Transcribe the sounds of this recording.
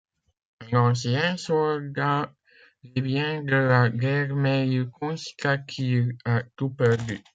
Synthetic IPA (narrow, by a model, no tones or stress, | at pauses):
lɑ̃sjɛ̃sɔld̪a | lebjɛ̃d̪əlaɡɛʁmɛikɔ̃si̥kakʰiat̪upɛʁd̪y